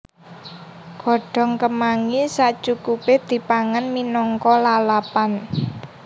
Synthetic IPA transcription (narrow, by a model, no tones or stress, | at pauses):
ɡ̥ɔ̤ɖ̥ɔ̤ŋkəmaŋisaʔt͡ʃukuped̪̥i̤paŋanminɔŋkɔlalapan